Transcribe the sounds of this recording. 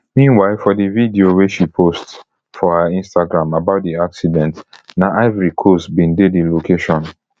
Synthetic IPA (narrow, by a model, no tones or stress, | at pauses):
mĩnwaɪlfɔdividioweʃipʰost | fɔhaĩnstaɡɹãmabaʊt̚diaksidɛ̃ntnaʔavɹikʰosbĩndedilokʰeʃɔ̃n